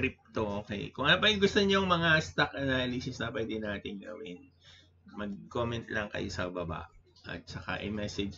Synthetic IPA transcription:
kɾip̚t̪oʔoːkɛ̰jkʊŋɐpɐɪɡʊst̪oɲoŋmɐŋast̪ɐkʔɐnalisɪsnɐpwɛːd̪ɪnaːt̪ɪŋɡɐ̰wɪn | mɐɡ̚komɛnt̪lɐŋkɐ̰josɐbɐba̰ʔʔɐ̰t̪̚t͡ʃɐka̰ʔɐ̰jmɛsɛd͡ʒ

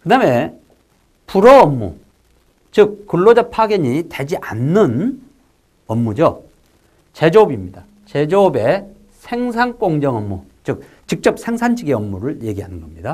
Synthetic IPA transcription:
kɯdame̞ | puɾʌʌmːṵ | t͡ɕɯk̚k͈ːuɭːod͡ʑapʰaɡeɲite̞d͡ʑiʔanːɯn | ʌmːud͡ʑo | t͡ɕe̞d͡ʑobimɲida | t͡ɕe̞d͡ʑobe̞ | sʰeŋs̬ʰank͈oŋd͡ʑʌŋʌmːut͡ɕɯk̚ | t͡ɕik̚t͡ɕ͈ʌp̚sʰeŋsʰand͡ʑʰiɡeʌmːuɾɯɭje̞ɡiɦanɯnɡʌmɲida

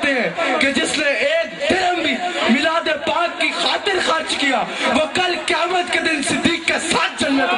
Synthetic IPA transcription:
t̪eɦɛ̃ked͡ʒɪsneeːk̚d̪ɐɾəmbimɪlaːd̪epãːkːixaːt̪ɪɾxaɾt͡ʃkijaʋoːkɐlkjaːmət̪ked̪ɪnsɪd̪ːiːkːesaːt̪̚ʰd͡ʒɐlːet̪

